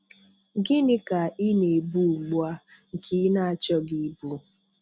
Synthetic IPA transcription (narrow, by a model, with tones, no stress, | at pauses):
ɡɪ˦nɪ˦ka˨i˦ne˨bu˦˨ɡ͡bu˦a˦ŋ̩˨kʰi˦na˦˨a˨t͡ʃɔ˦ɡi˨˦bu˨˦